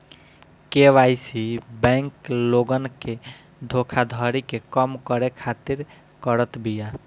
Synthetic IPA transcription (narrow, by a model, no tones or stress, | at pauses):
keʋajsibɛ̃ŋkloɡənke | d̪ʱokʰad̪ʱəɾikekəmkəɾekʰat̪iɾ | kəɾət̪bija